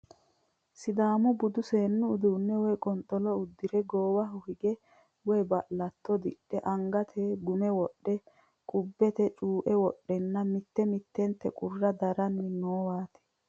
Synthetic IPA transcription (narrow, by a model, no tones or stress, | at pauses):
sɪd̪aːmʊbʊd̪ʊseːnːʊːd̪uːnːɛwɔjkʼɔnt̪ʼːɔlɔʊd̪ːɪɾɛɡoːwɐɦʊhɪɡɛ | wɔjbɐʔlɐt̪ːɔd̪ɪ̰ɗːɛʔɐŋɡɐt̪ʰɛɡʊmɛwɔɗːɛ | kʼʊbːɛt̪ɛt͡ʃʼuːʔɛwɔɗːɛnːɐmɪt̪ːɛmɪt̪ːɛnt̪ːɛkʼʊrːɐd̪ɐɾɐnːɪnoːwaːt̪ɛ̥